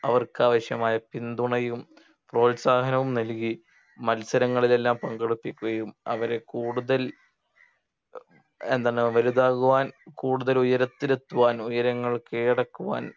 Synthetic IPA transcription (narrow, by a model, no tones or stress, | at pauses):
ɐʋɐrkɨaːʋɐɕjɐmaːjɐpind̪uɳɐjum | fro̞ːlsaːɦɐnɐʋumnɐlk̬i | mɐlsɐɾɐŋːɐɭile̞lːaːmpɐŋɡɐɽupːikʲːuɣɐjumɐ̰ʋɐɾe̞kuːɽuðɐl | end̪aːnːɨʋɐluðaːɣuʋaːnkuːɽuðɐlujɐɾɐt̪ːiɾet̪ːuʋaːnujɐɾɐŋːɐɭkeːɽɐkːuʋa̰ːn